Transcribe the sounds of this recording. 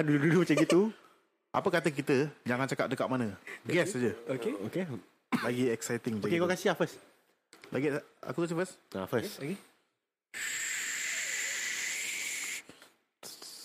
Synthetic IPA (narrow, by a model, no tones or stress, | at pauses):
duudulumat͡ʃaɡit̪u | ʔa̰pəkat̪ək̬it̪əd͡ʒaŋant͡ʃakat̚dəkaʔ̪̚manə̃ɡɛsad͡ʒəokeoke | laɡiɛksajt̪ɪŋboaɡkekakasɪafəs | laɡia̰kukas̬ifəsafəske